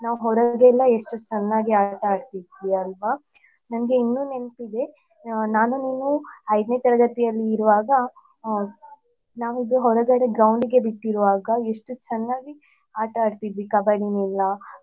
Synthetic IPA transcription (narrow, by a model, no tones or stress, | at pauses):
naːʋuɦɔɾɐɡelːɐeʂʈut͡ʃɛnːaːɡiaːʈɐːɖt̪id̪ʋiɐlʋa | nɐnɐɡe̞inːuːne̞mpid̪e̞ | naːnuniːnuɐjd̪net̪ɐɾɐɡɐt̪ijɐlːiːɾuʋaːɡɐ | naːʋuid̪uɦɔɾɐɡɐɽeɡɾɐwɳɖiɡe̞biʈːiɾuʋaːɡɐeʂʈut͡ʃɛnːaːɡi | aːʈɐaːɖt̪id̪ʋikɐbajɽinilːɐ